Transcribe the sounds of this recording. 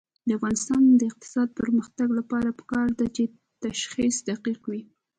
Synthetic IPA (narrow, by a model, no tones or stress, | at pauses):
d̪əafɣɑnɪst̪ɑnd̪əɪq̚t̪ɪ̥sɑd̪̚pəɾməxt̪aɡlapɑɾapə̥kɑɾd̪at͡ʃe | t̪aʃxisd̪aqiqwi